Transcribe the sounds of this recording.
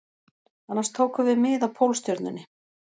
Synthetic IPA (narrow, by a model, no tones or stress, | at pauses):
anːaɾst̪ʰoːwkʏvɪmɪːðawpʰowlst̪jœɾt̪nɪnːɪ